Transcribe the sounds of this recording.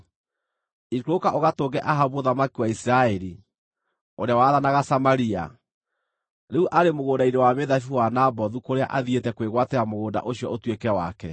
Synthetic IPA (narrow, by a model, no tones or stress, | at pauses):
ikɾokaʔoɣatoːɡɛʔaɦaβoðamakiwaisiɾaɛɾi | oɾeawaːðanaɣasamaɾia̰ | neuʔaɾemoɣoːndainewameðafiwanabɔðukoɾea̰ʔaðietɛkweɣwatɛamoɣoːnda̰ʔoɕiɔotwekɛwa̰kɛ